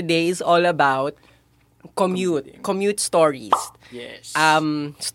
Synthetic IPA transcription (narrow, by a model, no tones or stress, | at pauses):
d̪ejɪsɔlɐbawt̪̚ | kɔmjut̪̚kɔmjut̪st̪ɔɹḭs | ʔams